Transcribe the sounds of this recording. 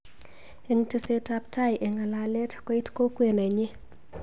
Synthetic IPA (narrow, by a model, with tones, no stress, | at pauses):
e˨ŋte˦se˦ta˦p̚tʰa˦jʔe˨ŋa˨la˨lɛ˦tkɔ˦i˦tko˦kwe˨nɛ˨ɲɪ˦